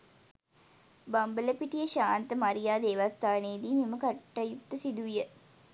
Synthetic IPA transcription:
bambələpiʈijəʃaːnt̪əmaɾijaːd̪eːʋast̪aːneːd̪iːmeməkaʈːajut̪ːəsid̪uʋijə

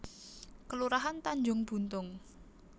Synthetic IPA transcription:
kəluɾaɦant̪aɲd͡ʒʊŋb̥ṳnt̪ʊŋ

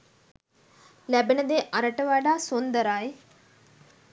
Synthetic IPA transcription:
læbenəd̪eʔaɾəʈəʋaɖaːsond̪əɾaj

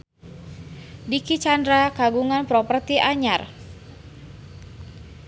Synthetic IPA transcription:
dikit͡ʃandɾakaɡuŋanpɾɔpərt̪iʔaɲar

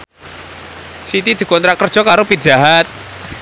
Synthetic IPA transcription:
sit̪id̪̥i̤kɔnt̪ɾaʔkərd̥ʒ̥ɔ̤kaɾopid̥ʒ̥a̤ɦat̪̚

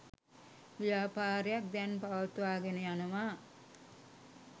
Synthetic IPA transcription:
ʋijaːpaːɾejak̚d̪ænpaʋɐt̪uʋaːɡenəjanəʋa

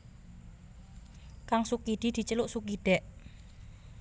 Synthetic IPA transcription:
kaŋsukid̪̥i̤d̪̥i̤t͡ʃəluʔsukiɖ̪̥ɛʔ

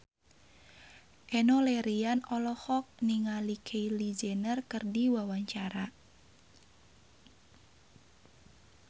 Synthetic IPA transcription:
ʔɛnolɛɾianɔlɔhɔk̚niŋalikʰeilid͡ʒenərkɨrdiwawaɲt͡ʃaɾa

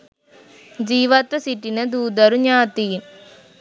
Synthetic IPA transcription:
d͡ʒiːʋɐt̪ʋɐsiʈːinɐd̪uːd̪ɐɾuɲaːt̪iːn

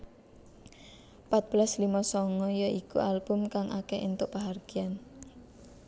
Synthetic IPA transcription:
pat̪̚b̥laslimasɔŋɔjɔikṵʔalb̥ʊmkaŋʔa̰kɛʔint̪ʊʔpaɦarɡ̥i̤an

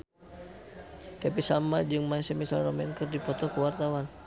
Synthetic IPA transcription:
hɛpisamad͡ʒɨŋmaisɛmisalrɔmɛnkɨrdipɔt̪ɔkuwart̪awan

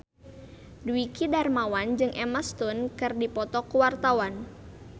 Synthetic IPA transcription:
duwikidarmawand͡ʒɨŋʔɛmast̪unkɨrdipɔt̪ɔkuwart̪awan

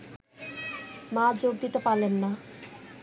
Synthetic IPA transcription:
mad͡zoɡ̚d̪it̪epalenːa

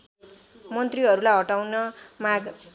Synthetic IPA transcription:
mʌnt̪riʌɾulajɦʌʈawnʌmaɡ

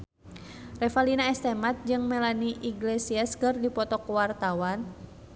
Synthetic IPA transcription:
rɛfalinaɛst̪ɛmat̪̚d͡ʒɨŋmɛlaniʔiɡlesiaskɨrdipɔt̪ɔkwart̪awan

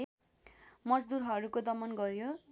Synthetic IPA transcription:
mʌd͡zd̪uɾɦʌɾukod̪ʌmʌnɡʌɾjõ

